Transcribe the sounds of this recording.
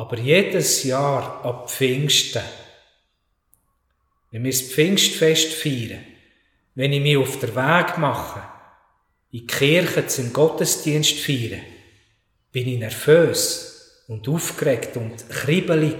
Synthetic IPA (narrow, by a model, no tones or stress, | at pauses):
ɑb̥əɾjed̥əsjɑːɾɑp͡ffɪŋʃtə | vɛnmɪspfɪŋʃtfɛʃtfiːɾə | vɛnimiʊfd̥əɾvæːɡmɑχə | ikχɪɾχət͡sʊmɡɔtəsd̥iənstfiːɾə | b̥ɪninɛɾføːs | ʊnduːfkrɛktʊntχribəli